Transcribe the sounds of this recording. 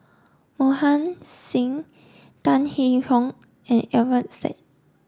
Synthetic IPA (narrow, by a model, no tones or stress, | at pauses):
mohãnsĩŋ | tãnhihɔ̃ŋ | ɛ̃nɛvətsɛ̰t̚